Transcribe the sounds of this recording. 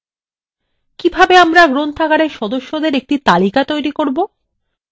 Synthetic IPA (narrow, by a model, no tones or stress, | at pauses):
kibʱabeamɾaɡɾont̪ʰakaɾeɾʃɔd̪oʃːod̪eɾek̚ʈit̪alikat̪ojɾikoɾbo